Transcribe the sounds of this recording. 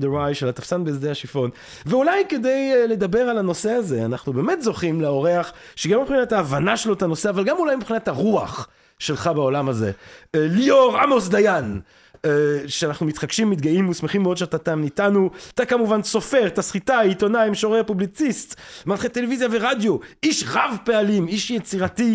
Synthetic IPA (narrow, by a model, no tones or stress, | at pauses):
d̪eʁajʃelat̪afsanbeːzd̪ehaʃifo̞n | veulajke̞d̪e̞jle̞d̪abe̞ʁalano̞se̞aze̞anaχnubeːmetzo̞χimleo̞ʁeaχʃeɡamipχinataːvanaʃelot̪ano̞seavalɡamulajmipχinat̪haʁuaχ | ʃe̞lχabeo̞lamaze̞̰lioʁamosd̪ajan | ʃeanaχnumit̪χaɡʃimːit̪ɡaimːusmeχimːeo̞d̪ʃeatat̪amnitanuat̪akamuvanso̞fe̞ʁt̪asχitaito̞naimʃoʁeapublit͡sist̪malχet̪ele̞vizjave̞ʁad̪jo̞iʃʁavpe̞alimiʃjet͡siʁati